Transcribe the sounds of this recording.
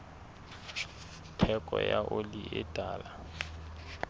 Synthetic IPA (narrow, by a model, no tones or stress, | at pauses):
tʰɛkʼɔjaʔoliʔɪd̥ʱaːla